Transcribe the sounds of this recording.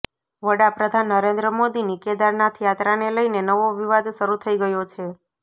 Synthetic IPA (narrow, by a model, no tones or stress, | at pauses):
ʋəɽapɾəd̪ʱanːəɾend̪ɾəmod̪inikɛd̪aɾnat̪ʰijat̪ɾaneləinenəʋoʋiʋad̪ʃəɾut̪ʰəiɡəjot͡ʃʰe